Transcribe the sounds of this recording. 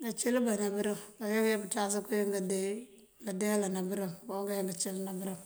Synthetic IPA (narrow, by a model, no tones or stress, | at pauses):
ɡat͡ʃilbanabiɾiŋɡajaɡabitas̬ikujiŋɡade | ɡadejalanabiɾiŋboɡajiŋɡat͡ʃilnabiɾam